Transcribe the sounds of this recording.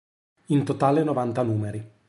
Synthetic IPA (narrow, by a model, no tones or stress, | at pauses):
int̪ot̪aːlenovant̪anuːmeɾi